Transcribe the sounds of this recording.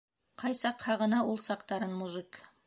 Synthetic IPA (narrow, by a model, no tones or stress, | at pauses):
qʰɑjsɑqhɑʁɤ̆nɑʔulˠsɑqt̪ɑɾɤnmuʒɨk